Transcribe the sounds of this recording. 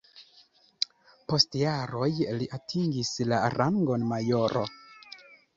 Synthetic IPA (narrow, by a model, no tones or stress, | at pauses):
po̞stjaɾo̞jliʔatʰiŋɡislaɾaŋɡo̞nmajo̞ɾʔo̰